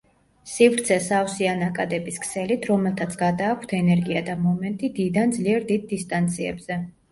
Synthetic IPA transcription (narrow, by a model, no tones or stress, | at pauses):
sivɾt̪sʰɛsawsianakʼad̪ɛbiskʰsɛlit̪ʰɾɔmɛlˠt̪ʰat̪sʰɡad̪aːkʷʰt̪ʰɛnɛɾɡiad̪amɔmɛnt̪ʼid̪id̪and̪zliɛɾd̪id̪̚ːist̪ʼant̪sʰiɛ̰bz̥ɛ